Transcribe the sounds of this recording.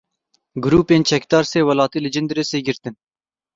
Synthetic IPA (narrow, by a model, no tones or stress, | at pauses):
ɡʊɾuːpeːnt͡ʃʰɛkd̪ɑːɾseːwɛlɑːt̪iːlɨd͡ʒɨnd̪ɾeseːɡɪɾt̪ɨn